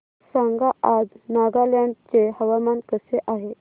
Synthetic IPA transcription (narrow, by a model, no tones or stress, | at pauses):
saŋɡaʔad͡znaɡaljaɳɖt͡sehəʋamankəseʔaɦe